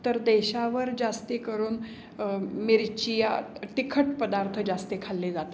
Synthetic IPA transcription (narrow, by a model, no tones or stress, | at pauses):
t̪əɾd̪ɛɕaʋəɾd͡zast̪ekəɾuːn | miɾt͡ɕijaʈikʰəʈpəd̪aɾt̪ʰəd͡ʑast̪ekʰalːid͡zat̪a